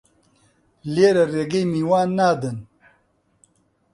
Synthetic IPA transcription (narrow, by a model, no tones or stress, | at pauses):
leːɾɐɾeɡemiwaːnːaːd̪ən